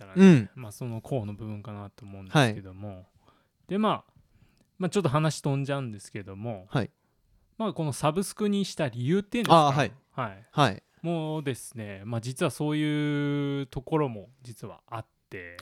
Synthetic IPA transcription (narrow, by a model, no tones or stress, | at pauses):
t̪aɾanemaso̞no̞kʰo̞ːno̞bɯ̟bɯ̟̃ŋkanat̪o̞ːmõ̞ndaesike̞d̪o̞mo̞ | d̪̥e̞ma | mat͡ɕo̞t̪ːo̞ɦanaɕi̥t̪õ̞ɲ̟d͡ʑaɯ̟̃nd̪e̞sɨ̥ke̞d̪o̞mo̞hai | mako̞no̞sabɯ̟sɨ̥kɯ̟ɲ̟iɕi̥t̪aɾʲijɯ̟ːt̪ːeinakaihaihai | mo̞ːd̪e̞sɨ̥ne̞maːd͡ʑit͡sɨβaso̞ːjɯ̟ːt̪o̞ko̞ɾo̞mo̞d͡ʑit͡sɨβa̰at̪ːe̞